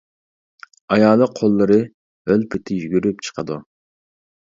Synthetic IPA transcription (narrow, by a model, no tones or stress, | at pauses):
ɑjɑːlˠəqʰːolˠːɨɾɨ | ølpʰɪt̪ʰɪjyɡʲyɾypt͡ʃʰə̥qʰəd̪u